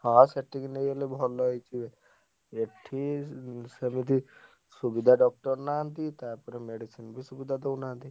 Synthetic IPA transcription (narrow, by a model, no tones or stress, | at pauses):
hãseʈiknejelebʱɔlɔɦɔjt͡ʃʰibe | eʈʰisəmit̪i | subid̪ʱaɖɔk̚ʈɔɾnant̪it̪aɾpɔɾemeɖisinbʱisubid̪ʱad̪ewnant̪i